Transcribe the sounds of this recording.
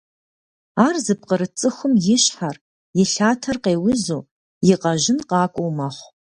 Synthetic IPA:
aːrzɨpqəɾɨt͡sʼɨxʷʊmjɪɕħar | jɪɬaːtʰɐrqeːwʊzoː | jɪqɐʒɪnqɑːkʷʼowmɐχʷ

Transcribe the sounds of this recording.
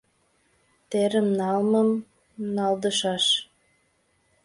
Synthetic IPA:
t̪eɾəmnɑlməm | nɑld̪əʃɑʃ

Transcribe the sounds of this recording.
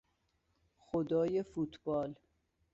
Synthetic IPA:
xod̪ɒːjefuːt̪ʰb̥ɒːl

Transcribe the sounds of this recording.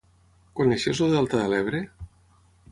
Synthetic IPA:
koneʃezoðealˠt̪aðelɛβɾe

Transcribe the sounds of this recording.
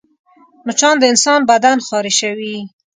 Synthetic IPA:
mʊt͡ʃɑnd̪əɪnsɑnbad̪anxɑɾeʃawi

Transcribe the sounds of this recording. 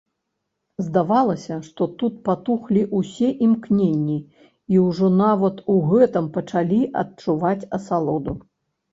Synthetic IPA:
zd̪avalˠɐsʲɐʂt̪ɔt̪ut̪̚pat̪uxlʲiʔusʲɛʔimknʲenʲːi | iwʐɔnavɐt̪uɣɛt̪ɐmpɐt͡ʂalʲiʔɐ̰tt͡ʂuvat͡sʲɐsalˠɔd̪u

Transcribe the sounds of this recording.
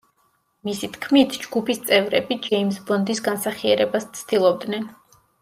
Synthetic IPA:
misit̪ʰkʰmit̪ʰd͡ʒɡupʰist̪sʼɛvɾɛbid͡ʒɛimsbɔnd̪isɡansaχiɛɾɛbast̪sʰd̪̥ilˠɔb̚d̪nɛn

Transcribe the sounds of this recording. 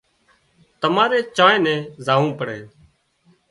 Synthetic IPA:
t̪əmaːɾeːt͡ʃãːẽːnɛ̃ːzaːʋũːpəɽeː

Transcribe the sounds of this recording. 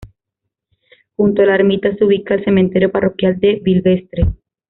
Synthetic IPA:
xunt̪oelaɾmit̪aseuβikaelse̞ment̪e̞ɾjoparo̞kjald̪e̞βilβe̞st̪ɾe

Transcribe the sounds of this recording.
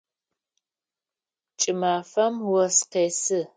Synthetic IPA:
t͡ʃʼɨmaːfɐmwɔsqeːsɨ

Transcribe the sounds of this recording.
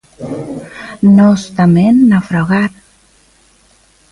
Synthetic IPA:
nost̪amenːafɾɔɣat̪̚

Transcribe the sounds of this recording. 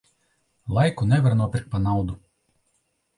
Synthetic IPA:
lˠɐɪkunʲɛʋʲɛɾnuɔpʲɪɾk̚pɐnɑˑʊd̪u

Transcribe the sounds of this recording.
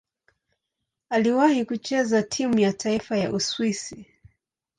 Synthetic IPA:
aliwahikut͡ʃɛzatʰimujatʰaifaja̰ʔuswisi

